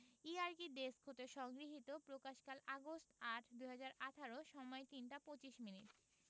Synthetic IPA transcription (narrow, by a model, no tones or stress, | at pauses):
iaɾkid̪eskʰot̪eʃɔŋɡɾiɦit̪opɾokaʃkalaɡostaʈʰd̪uɦad͡ʑaɾaʈʰaɾoʃɔmɔet̪inʈapot͡ɕiʃminiʈ